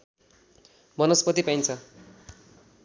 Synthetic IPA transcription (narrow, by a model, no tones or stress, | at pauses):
bʌnʌspʌt̪ipajnt͡sʰʌ